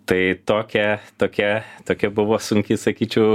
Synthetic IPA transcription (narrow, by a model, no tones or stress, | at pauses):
t̪ɐɪt̪oːkʲɛt̪oːkʲɛt̪oːkʲɛbʊʋoːsʊŋʲkʲɪsɐkʲiːt͡ʃʲɛʊ